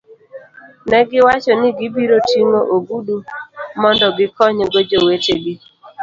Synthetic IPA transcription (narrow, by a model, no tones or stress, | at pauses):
nɛɡɪwat͡ʃɔnɪɡɪbiɾotiŋoʔoɡudumɔndɔɡɪkɔɲɡod͡ʒoweteɡɪ